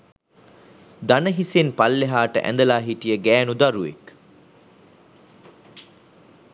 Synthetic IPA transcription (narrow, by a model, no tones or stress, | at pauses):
d̪anəɦisenpalːeɦaːʈə̰ʔæ̰nd̪əlaːɦiʈijəɡæːnud̪aɾuḛk